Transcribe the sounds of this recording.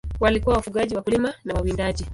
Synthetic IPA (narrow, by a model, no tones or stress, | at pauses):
walikuwawafuɠaʄiwakulimanawawindaʄi